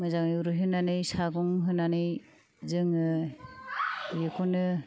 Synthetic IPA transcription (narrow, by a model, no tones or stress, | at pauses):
mɯzaŋɯjuɾɯɦɯnanɯjsaɡɔŋɦɯnanɯj | zɯŋɯ | jɯkʰɔnɯ